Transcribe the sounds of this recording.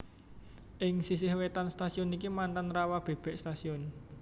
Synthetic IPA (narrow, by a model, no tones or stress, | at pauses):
ʔɪŋsis̬ɪhwet̪anst̪asiɔnikimant̪anrawab̥e̤b̥ɛ̤ʔst̪asiɔn